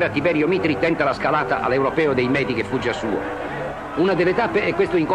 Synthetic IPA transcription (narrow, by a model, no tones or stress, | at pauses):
ɾeat̪ːibɛɾjomit̪ɾit̪ɛnt̪alaskalaːt̪a̰ʔa̰lːewɾopɛːod̪ejmɛːd̪ikefːud͡ʒːasuːo̰ | unad̪elːet̪apːeɛkːwest̪ʊiŋko